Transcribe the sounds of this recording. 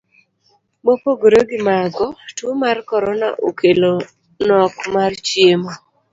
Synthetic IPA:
mopoɡoɾoɡɪmaɡɔtumarkɔɾɔna̰ʔokʰelo | nɔkmart͡ʃjemɔ

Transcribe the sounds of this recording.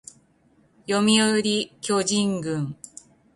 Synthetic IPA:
jo̞mʲioɯɾʲikʲo̞ʑĩŋɡɯ̟̃ŋ

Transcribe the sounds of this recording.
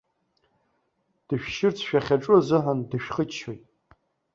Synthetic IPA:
d̥ɨʃᶣʃɪrt͡sʰʃᶣaχʲaʈ͡ʂʼʊzɨħandɨʃᶣχət͡ʃʰojtʼ

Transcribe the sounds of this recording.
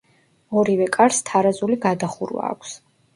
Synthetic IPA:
ɔɾivɛkʼaɾst̪ʰaɾazuliɡad̪aχuɾwa̰ːkʷʰs

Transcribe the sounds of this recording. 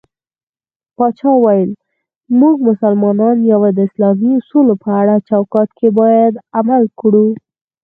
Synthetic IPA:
pɑt͡ʃɑwajəl | muɡmʊsalmɑnɑnjawed̪əɪslɑmiʊsulopəaɽat͡ʃawkɑt̪kʰebɑjad̪amalkɽu

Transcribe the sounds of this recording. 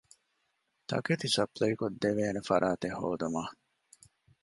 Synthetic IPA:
t̪ɐ̰ket̪isɐplɐjkod̪ːeʋeːnefɐɾʔaːt̪ehːo̰ːd̪umaː

